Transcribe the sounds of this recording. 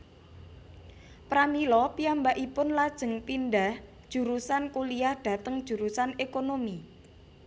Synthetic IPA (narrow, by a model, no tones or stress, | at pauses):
pɾamilɔpiambaʔipʊnlad̥ʒ̥ə̤ŋpindahd̥ʒ̥ṳɾusankulijahɖ̥ä̤t̪əŋd̥ʒ̥ṳɾusanekonomi